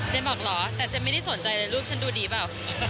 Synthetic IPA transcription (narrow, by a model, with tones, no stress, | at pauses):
t͡ɕa˧˦mɔː˨˩k̚lɔː˩˦t̪ɛː˨˩t͡ɕa˧˨˩ma˥˩jda˥˩jso˨˩˦nt͡ɕa˧jlɤː˧jɾuː˥˩p̚t͡ɕʰa˦˥nduː˧diː˧paː˨˩w